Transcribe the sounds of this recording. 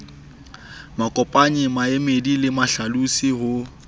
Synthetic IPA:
makʼɔpʼaɲɪmaemedilɪmaɬalusihʊ

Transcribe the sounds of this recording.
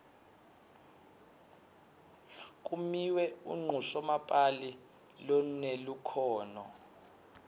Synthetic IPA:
k̬ʼumiwɛṵŋ͡ǃʱusɔmapʼali | lɔnelukʰɔːnɔ̰

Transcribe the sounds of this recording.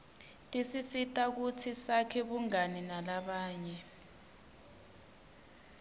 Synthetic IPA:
tʼisisitʼak̬utʰisakʰɛɓuŋaninalaɓaːɲɛ

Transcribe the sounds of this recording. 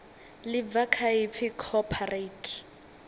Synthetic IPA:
lɪvakʰaɪfʰɪkʰɔpʰaretʰ

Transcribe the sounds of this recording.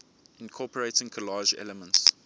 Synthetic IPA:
ɪ̃nkʰɔpəɹeɪtɪ̃ŋkʰəlɑːʒɛ̰ləmə̃nts

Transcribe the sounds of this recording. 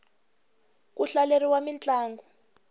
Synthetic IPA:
kuɬaleriwamint͡ɬʼaːŋɡɔ

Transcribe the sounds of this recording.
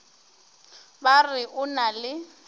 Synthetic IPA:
barɪʔʊnalɪ

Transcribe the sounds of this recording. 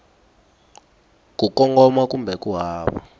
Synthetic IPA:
kukɔŋɡɔmak̬ʼumbʱɛk̬ʼuɦaːɓɔ̰

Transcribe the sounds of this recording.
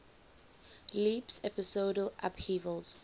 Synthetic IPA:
liːpsɛpɪsoːdəlʔa̰phiːvəlz̥

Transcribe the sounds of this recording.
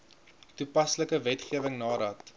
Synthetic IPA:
tupɐsləkəvɛtχiəvəŋnɑːɾɐt

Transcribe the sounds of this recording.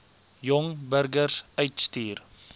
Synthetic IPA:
jɔŋbəɾɡərsœɥtstyːr

